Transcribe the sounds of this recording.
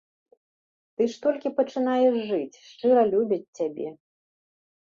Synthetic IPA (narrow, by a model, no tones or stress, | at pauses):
t̪ɨʂt̪ɔlʲkʲipɐt͡ʂɨn̪ajɛʂʐɨt͡sʲʂt͡ʂɨɾɐlʲubʲit͡sʲt͡sːʲabʲɛ̰